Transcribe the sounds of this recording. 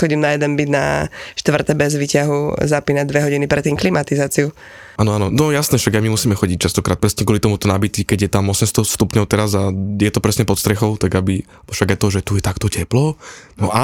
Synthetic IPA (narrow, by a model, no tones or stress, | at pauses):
xɔɟimnajɛd̪ɛnbid̪na̰ʃt̪ʋr̩t̪ɛbɛzʋicaɦuzapinad̪ʋɛɦɔɟinipɾɛt̪ːiːmklimat̪izaːt͡siu | ʔaːnɔanɔnɔjasnɛːfʃaɡaɪjmimusiːmɛxɔɟic̚t͡ʃast̪ɔkɾaːt̪̚pɾɛsɲɛkʊɔlit̪ɔmut̪ɔnabit̪ikɛɟjɛt̪amɔsɛmst̪ɔst̪upɲɔʊt̪ɛɾazajɛt̪ɔpɾɛsɲɛpɔt̪st̪ɾɛxɔʊt̪aɡabi | fʃaɡaɪt̪ɔʒɛt̪ujɛt̪akt̪ɔcɛplɔnɔʔa